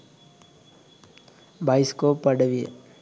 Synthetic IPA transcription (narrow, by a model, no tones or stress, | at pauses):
baɪskopəɽʋiḛ